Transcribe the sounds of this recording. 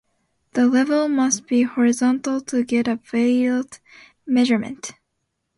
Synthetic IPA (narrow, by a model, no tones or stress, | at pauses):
ðəlɛvl̩ˠmʌst̚b̥ihɔɹɨzɑ̃ntˡl̩ˠtʰɨɡɛɾɨveɪlˠd̥ | mɛʒə˞mɨ̰̃nt